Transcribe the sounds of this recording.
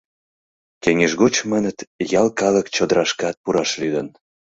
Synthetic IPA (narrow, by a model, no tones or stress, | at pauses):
keŋeʒɣot͡ɕmənət̪jɑlkɑləkt͡ɕod̪əɾɑʃkɑt̪̚puɾɑʃlyd̪ən